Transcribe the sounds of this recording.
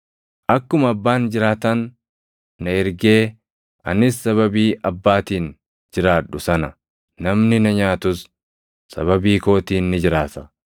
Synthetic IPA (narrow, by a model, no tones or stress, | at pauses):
ʔɐkːʊmɐɐbːaːnd͡ʒɪɾaːt̪ɐnː | ɐɛɾɡe̞ː | ʔɐ̰nɪsːɐβɐbiːʔɐbːaːt̪iːn | d͡ʒɪɾaːᶑːʊsɐnɐ | nɐmnɪnɐɲaːt̪ʊsː | ɐ̰βɐbiːko̞ːt̪iːnːɪd͡ʒɪɾaːt̪ɐ